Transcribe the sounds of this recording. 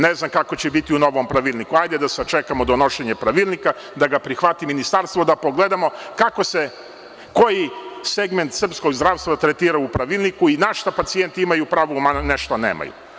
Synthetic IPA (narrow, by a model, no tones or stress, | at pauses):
neznamkako̞t͡ɕebit̪iuno̞ʋompɾaʋilˠnikuajd̪ed̪aset͡ʃe̞kamod̪ono̞ʃeɲepɾaʋilˠnika | d̪aɡapɾixʋat̪iminist̪aɾst̪ʋod̪apo̞ɡle̞d̪amo̞kako̞se | ko̞jiseɡme̞nt̪sr̩psko̞ɡzd̪ɾaːʋst̪ʋat̪ɾet̪iːɾaupɾaʋilˠnikuinaʃt̪apat̪sije̞nt̪iimajupɾaːʋumane̞ʃt̪onḛːmʔa̰jṵ